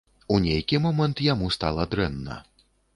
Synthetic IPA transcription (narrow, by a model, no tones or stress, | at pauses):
unʲejkʲimɔmɛnt̪jamust̪a̰lˠɐd̪ɾɛnːɐ̰